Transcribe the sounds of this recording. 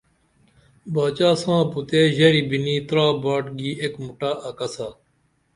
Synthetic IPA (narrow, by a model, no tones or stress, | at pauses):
baːt͡ɕaːsãːput̪eːʑɐɾibiniːt̪ɾaːbaːʈɡiːekmuʈaːʔɐkɐsaː